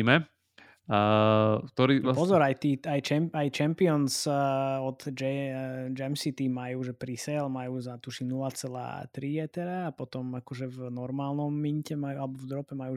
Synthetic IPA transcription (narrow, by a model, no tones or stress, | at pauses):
imɛ | k̚t̪ɔɾipɔzɔɾajt̪iːajt͡ʃɛmajt͡ʃɛmpiɔnsɔd̪d͡ʒɛd͡ʒɛmsit̪imajuːʒɛpɾisɛlmajuːzat̪uʃinulat͡sɛla̰ːt̪ɾijɛt̪ɛɾaːpɔt̪ɔmakɔʒɛvnɔɾmaːlnɔmːiɲcɛmajualɛbɔvd̪ɾɔpɛmajuː